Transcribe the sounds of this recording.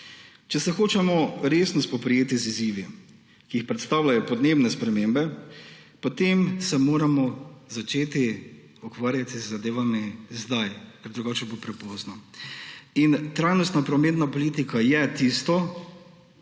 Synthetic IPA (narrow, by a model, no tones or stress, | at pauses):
t͡ʃɛsɛxoːt͡ʃɛmɔɾeːsnɔspɔpɾijeːt̪iziziːʋi | kiixpɾɛt̪st̪aːwlajɔpɔd̪neːbnɛspɾɛmeːmbɛ | pɔt̪emsɛmoːɾamɔzat͡ʃeːt̪i | ukʋaːɾjat̪izːad̪eːʋamizd̪ajkɛɾd̪ɾuɡaːt͡ʃɛbopɾɛpɔznɔ | int̪ɾajnɔst̪napɾɔmeːt̪napɔliːt̪ikajɛt̪ist̪ɔ